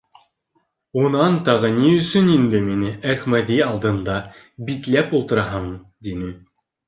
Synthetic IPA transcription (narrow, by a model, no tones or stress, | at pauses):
unɑnt̪ɑʁɤniɵ̆sɵnind̪ɘminɘæχmæðiɑlˠd̪ɤ̆nd̪ɑ | bit̪læpulˠt̪ɤ̆ɾɑɦɤɴd̪inɘ